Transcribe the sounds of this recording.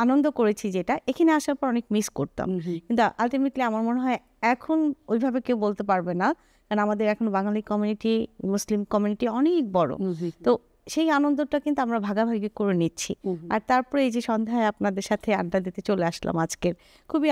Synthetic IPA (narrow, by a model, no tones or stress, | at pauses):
anond̪okoɾet͡ɕʰid͡ʑeʈaʔekʰaneaʃaɾpɔɾɔnekmiskoɾt̪a̰mkint̪uʔalʈimeʈliamaɾmoneɦɔe | ɛkʰonojbʱabekewbolt̪epaɾbena | kanoamad̪eɾɛkʰonobaŋalikːɔmjuniʈimuslimkɔmjuniʈiɔnek̚bɔɾo̰t̪o | ʃejanond̪oʈakint̪uamɾabʱaɡabʱaɡikoɾenitːɕʰḭa̰ɾt̪aɾpɔɾeejd͡ʑeʃɔnd̪ʱaeapnad̪eɾʃat̪ʰea̰nʈad̪it̪et͡ɕoleaʃla̰mad͡ʑkeɾ | kʰubi